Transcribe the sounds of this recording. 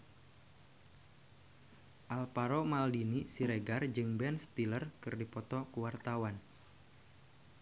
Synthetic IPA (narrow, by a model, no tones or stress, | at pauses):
ʔalpaɾomaldinisiɾeɡard͡ʒɨŋbɛnst̪ilərkɨrdipɔt̪ɔkuwart̪awan